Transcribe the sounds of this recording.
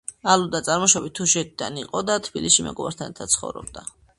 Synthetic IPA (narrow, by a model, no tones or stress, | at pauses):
alud̪at̪sʼaɾmɔʃɔbit̪ʰːuʃɛt̪̚ʰid̪aniqʼɔd̪at̪ʰb̥iliʃimɛ̰ɡɔbaɾt̪ʰanɛɾt̪ʰat̪sʰχɔ̰vɾɔ̰b̚d̪a